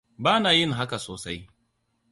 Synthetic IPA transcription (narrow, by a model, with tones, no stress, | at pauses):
baː˦naː˨jɪ˦ŋɦa˦ka˨soː˨sa˦j